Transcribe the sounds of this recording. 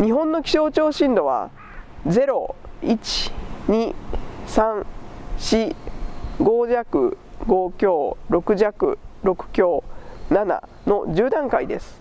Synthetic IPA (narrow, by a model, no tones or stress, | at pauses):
ɲ̟iɦõ̞nːo̞kʲi̥ɕo̞ːt͡ɕo̞ːɕĩnd̪o̞βa̰ | d͡ze̞ɾo̞it͡ɕi̥ɲ̟isãŋɕi | ɡo̞ːʑakɯ̟̰ | ɡo̞kʲo̞ːɾo̞kɯ̟ʑakɯ̟̰ɾo̞kɯ̟̥kʲo̞ːnana̰ | no̞ʑɨːd̪ãŋkaid̪e̞sɨ̥